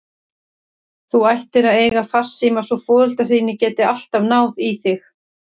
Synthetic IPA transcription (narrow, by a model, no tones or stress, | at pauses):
θuajht̪ɪɾaðeːjɣaθar̥siːmasɔfɔːðʏl̥t̪ḁiːnɪcɛːt̪ɪal̥t̪avn̪aːwðiθɪx